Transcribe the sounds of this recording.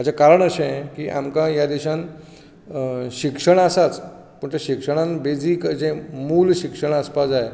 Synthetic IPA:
ad͡ʑakaɾəɳəɕẽkiːʔa̰mkãjad̪iɕãn | ɕikʂəɳ̃əsat͡s | pəɳt̪eɕikʂəɽ̃ãnbed͡ziːkəd͡zẽmuːlɕikʂəɳ̃əspad͡zae

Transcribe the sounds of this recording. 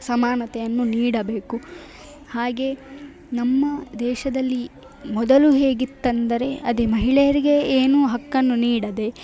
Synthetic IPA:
sɐmaːnɐt̪ɛjɐnːuniːɽɐbe̞ːku | haːɡe̞ | nɐmːɐd̪ɛːʃɐd̪ɐlːi | mɔd̪ɐluɦe̞ːɡit̪ːɐnd̪ɐɾe̞ɐd̪emɐɦiɭɛjɐɾiɡe̞eːnuːɦɐkːɐnːuniːɽɐd̪e̞

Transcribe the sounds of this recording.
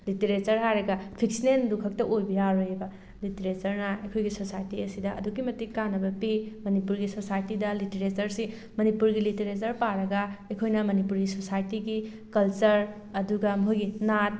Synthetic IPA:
liteɾet͡ʃɐɾɦajɾɐɡɐpʰiksinendukʰɐk̚tɐʔojbijaɾojebɐ | liteɾet͡ʃɐɾnɐɐjkʰojɡisosajtiɐsidɐ̰ːdukːimɐtikanɐbɐpimɐnipuɾɡisosajtidɐliteɾet͡ʃɐɾsi | mɐnipuɾɡiliteɾet͡ʃɐɾpaɾɐɡɐɐkʰojnɐmɐnipuɾɡisosajtiɡi | kɐlt͡ʃɐɾ | ɐduɡɐmɦoɡinat̚

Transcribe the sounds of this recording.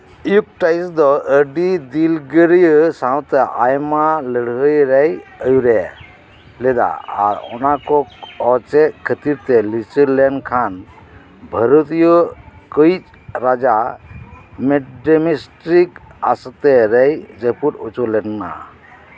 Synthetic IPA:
ijuk̚ʈajsd̪ɔəɖid̪ilɡəɾijsãw̃t̪ɛʔa̰jmaləɽɦəjɾɛjəjuɾɛ | lɛd̪a̰a̰ɾɔ̰nakɔɔt͡ʃɛkʰət̪iɾt̪ɛlit͡ʃəlɛnkʰan | bʱəɾut̪ijɔkəjt͡ʃ | ɾad͡ʒa | meɖemisʈɾika̰st̪ɛɾɛjd͡ʒəpuɾut͡ʃulɛnːa̰

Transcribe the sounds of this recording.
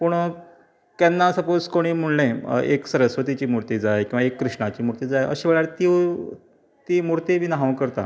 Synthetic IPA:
pəɳ | k̪anːasəpod͡zkoɽ̃iːm̤uɳlẽeksəɾəsʋət̪it͡ɕiːmuɾt̪iːd͡zajkĩw̃ʋaekːɾuʂɳat͡ɕiːmuɾt̪iːd͡zajʔə̰ɕẽʋeɭjaɾt̪i | t̪iːmuɾt̪iʋinaɦãʋkəɾt̪a̰

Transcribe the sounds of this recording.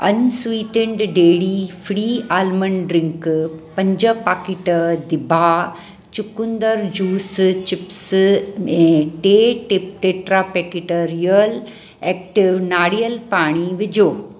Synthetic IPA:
ɐnswiːʈəɳɖɖeːɽifɽiːaːlmənɖɾɪ̃ŋkpɐ̃ɲd͡ʑəpaːkɪʈəd̪ɪbʱa | t͡ɕʊkʊ̃nd̪əɾd͡ʑuːst͡ɕɪps | ɛ̃ːʈeːʈɪp̚ʈeːʈɾapekɪʈoɾiəl | eːk̚ʈɪʋnaːɽijəlpaːɽ̃iʋɪd͡ʑʱoː

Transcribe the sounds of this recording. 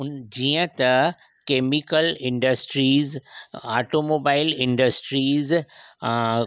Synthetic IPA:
ʊd͡ʒiə̃t̪ɐ | keːmikəlɪ̃ɳɖəsʈɾiːza̰ːʈoːmoːbaːɪlɪ̃ɳɖəsʈɾiːz

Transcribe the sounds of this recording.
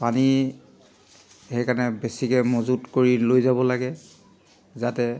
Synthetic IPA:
pani | xɛjkanɛbesikɛmozudkoɹilojzabɔlaɡɛ | zatɛ

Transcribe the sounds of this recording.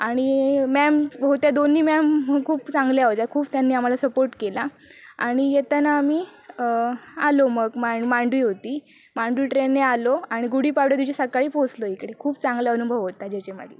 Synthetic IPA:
aɽ̃imɛmɦot̪jad̪onːiːmɛmkʰuːpt͡sãŋɡljaɦot̪jakʰuːbt̪janːiːam̤alasəpoɾʈkela | a̰ɽ̃ijet̪anaːmiː | aloməɡmaɳmaɳɖʋiːɦot̪iː | mãɳɖʋiːʈɾenːealoaɽ̃iɡuɽ̤iːpaɾɽəɾd̪it͡ɕesəkaɭiːposloikɽekʰuːbt͡sãŋɡljaʋənubʱəʋɦot̪ad͡ʑet͡ɕemə̰d̪ʱle

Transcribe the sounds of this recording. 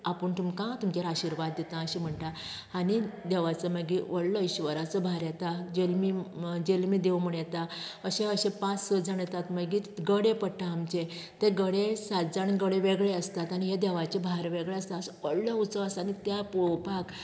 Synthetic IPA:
apəɳt̪umkãt̪umt͡ɕeɾaɕiɾʋad̪ːjet̪ãəɕim̤əɳʈã | aɽ̃id̪ɛʋat͡səməɡiʋəɽləiɕʋəɾat͡səbʱaɾjet̪ad͡ʑelmid͡ʑelmid̪eʋmuɳjet̪aəɕẽəɕẽpãt͡ssəd͡zaɳjet̪at̪məɡit̪ɡəɽepəʈʰãːmt͡ɕe | t̪eɡəɽesad͡zaniɡəɽeʋeɡɭeəst̪at̪aɽ̃iɦed̪ɛʋat͡ɕebʱaɾʋeɡɭeəst̪asʋəɽləut͡səəsanit̪japopak

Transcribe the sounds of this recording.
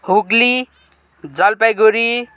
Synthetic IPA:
huɡli | d͡zʌlpajɡoɾi

